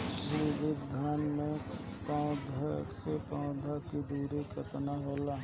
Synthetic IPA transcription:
ʃiʋɪkd̪ʱaːnmẽpãʊd̪ʱaksepãʊ̃d̪ʱakid̪ʱuːɾikət̪naɦoːlaː

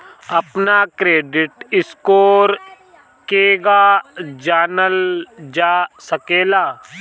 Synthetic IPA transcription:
ɐpnakɾeːɖɪʈɪskoːɾ | keːɡaːd͡ʒaːnəld͡ʒaːsəkeːlaː

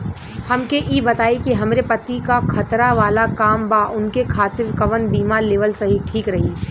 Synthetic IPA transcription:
hɐmkeʔiːbɐt̪aːikiɦɐmɾepɐt̪ːikakʰɐt̪ɾaʋaːlakaːmbaːʔʊnkekʰaːt̪ɪɾkɐʋənbiːmaleːʋəlsɐɦiʈʰiːkɾɐɦiː

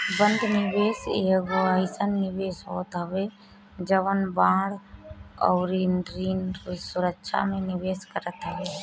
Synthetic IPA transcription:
bə̃nd̪ʱnɪʋeːseːɡoəɪsənːɪʋeːsɦoːt̪ɦəʋe | d͡ʒəʋənbãːɽɔ̰ːɾinɾiːnsʊɾəkʃʰa̰mẽnɪʋeːskəɾət̪ɦəʋeː

